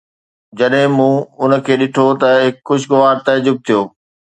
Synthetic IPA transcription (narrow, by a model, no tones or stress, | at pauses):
d͡ʑɐɗɦɪ̃mũːʊnə̆kʰeːɗɪʈʰot̪ɐɦɪkxʊʃɪɡʊʋaːɾt̪ɐd͡ʑʊb̚t̪ʰijoː